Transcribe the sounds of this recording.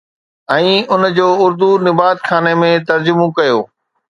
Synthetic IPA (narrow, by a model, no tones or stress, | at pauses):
ɛ̃ːʊnd͡ʑoːʊɾd̪unɪbaːt̪xʰaːnemẽt̪ɐɾd͡ʑʊmõkɐjoː